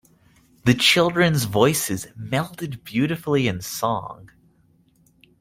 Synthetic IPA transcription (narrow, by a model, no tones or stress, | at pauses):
ðɨt͡ʃʰɪlˠdɹɨ̃nzvɔɪsɨzmɛlˠtɨd̚bjʉɾɨfl̩ˠiɨ̃nsɔ̰̃ŋ